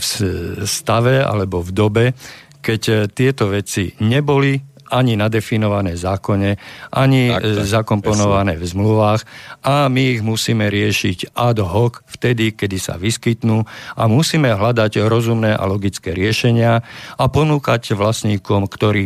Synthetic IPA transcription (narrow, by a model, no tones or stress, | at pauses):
fst̪aʋɛa̰lɛbɔvd̪ɔbɛ | kɛct̪ɪɛt̪ɔʋɛt͡siɲɛbɔli | ʔaɲinad̪ɛfinɔʋanɛːzaːkɔɲɛʔaɲizakɔmpɔnɔʋanɛːvzmluʋaːxamiːɣmusiːmɛɾɪɛʃiɟad̪ɦɔkft̪ɛd̪ikɛd̪isa̰ʋiskit̪nuːamusiːmɛɦlad̪aɟɾɔzumnɛːʔa̰lɔɡit͡skɛːɾɪɛʃɛɲɪaapɔnuːkaɟʋlasɲiːkɔmkt̪ɔɾiː